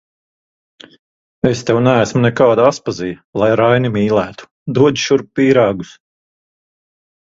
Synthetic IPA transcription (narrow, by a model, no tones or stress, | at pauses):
est̪ɛwnæːsmunɛkaːd̪aaspaziːlˠajɾajnimiːlˠæːt̪u̥ | d̪uɔd͡ʒi̥ʃuɾpːiːɾɑːɡus